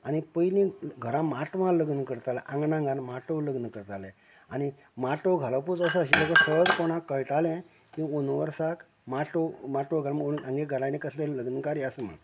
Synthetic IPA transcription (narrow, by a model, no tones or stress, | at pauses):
anipəjlĩɡʱəɾãmaʈmaləɡnəkəɾt̪alaʔãŋɡnãŋɡanmaʈoləɡnəkəɾt̪alẽ | ani | maʈoɡʱalaput͡səsəəɕ̬ibəkəsəd͡zkoɽ̃ãkːəɭʈalɛ̃ | kĩonʋəɾsak | maʈomaʈoɡʱalaməɡoniɡãŋɡeɡʱəɾanekəsleləɡnəkaɾiasəmə̰